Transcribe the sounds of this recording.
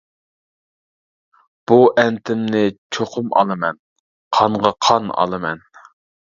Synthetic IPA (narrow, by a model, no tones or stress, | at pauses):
b̥uʔɛnt̪ʰɪmnɪt͡ʃʰoqʰʊmɑ̰lˠɨmɛn | qʰɑɴʁɑqʰɑnɑ̰lˠɨmɛn